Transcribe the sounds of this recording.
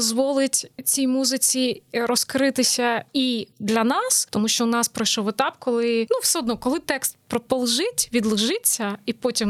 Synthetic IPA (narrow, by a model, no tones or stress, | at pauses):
ɔzʋɔlˠɪtʲt͡sʲijmuzɪt͡sʲiɾɔskɾɪt̪ɪsʲɐid̪lʲɐnɑst̪ɔmuʃt͡ʃɔʊnɑspɾɔjʃɔʋet̪ɑpkɔlˠɪnuwsɛɔd̪nɔkɔlˠɪt̪ɛkst̪pɾɔpɔlˠʒɪtʲʋʲid̪lˠɪʒɪt͡sʲːɐipɔtʲim